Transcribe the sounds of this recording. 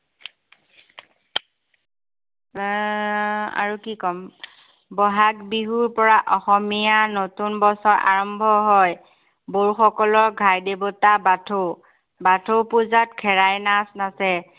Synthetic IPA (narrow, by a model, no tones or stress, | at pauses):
a̰ɹukikɔm | bɔɦakbiɦuɹpɔɹaʔɔxɔmijanotunbɔsɔɹʔa̰ɹɔmbʱɔɦɔj | boɹxɔkɔlɔɹɡʱajdebɔtabatʰo | batʰopuzatkʰɛɹajnasnasɛ